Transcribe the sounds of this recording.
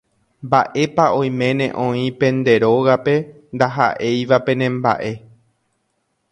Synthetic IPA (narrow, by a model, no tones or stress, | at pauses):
mbaʔe̞paʔõ̞j̃mẽ̞nẽ̞̰ʔõ̞ĩpẽ̞nd̪e̞ɾo̞ɣape̞nd̪aɦa̰ʔe̞jʋapẽ̞nẽ̞mba̰ʔe̞